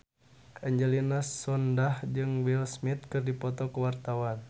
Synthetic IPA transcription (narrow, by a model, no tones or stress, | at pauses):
aɲd͡ʒɛlinasɔndahd͡ʒɨŋwilsmit̪̚kɨrdipɔt̪ɔkəwart̪awan